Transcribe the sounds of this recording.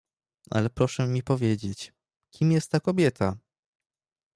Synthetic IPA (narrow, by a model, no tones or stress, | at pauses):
a̰lɛpɾɔʂɛmʲipɔvʲjed͡ʑet͡ɕ | kʲimjɛst̪ːakɔbʲjɛt̪ʰa